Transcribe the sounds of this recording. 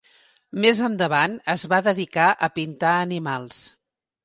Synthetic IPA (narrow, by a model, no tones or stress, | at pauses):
mezənd̪əβanəzβaðəðikaʔəpint̪aənimalˠs